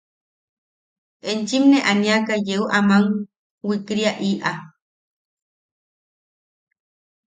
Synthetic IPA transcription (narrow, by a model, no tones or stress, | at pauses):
ent͡ʃimneʔanĩakajeuʔamaŋ | wikɾiaʔiʔa